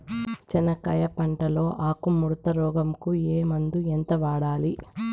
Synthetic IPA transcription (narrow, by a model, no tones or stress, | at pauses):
t͡ʃɐnɐkɐjɐpɐɳʈɐlo̞ːʔaːkumːuɾt̪ɐɾɔːɡɐmkueːmɐnd̪uent̪ɐʋaːɽaːli